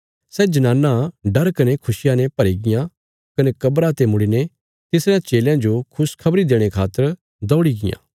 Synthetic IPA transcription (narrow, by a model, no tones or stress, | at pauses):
sɛd͡ʒɐnaːnːãɖɐɾkɐnekʰʊsɪjãnẽpɐɾiɡɪjã | kɐnekɐbɾat̪emʊɽine | t̪ɪsɾãt͡ʃeːljãd͡ʒokʰʊskʰɐbɾid̪eːɽ̃ekʰaːt̪ːəɾ | d̪ɔːɽiɡɪjã̰ː